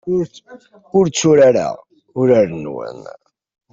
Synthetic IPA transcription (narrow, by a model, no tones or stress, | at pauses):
ʊɾt͡sːʊɾaɾa̰ | ʊɾæɾnwə̰n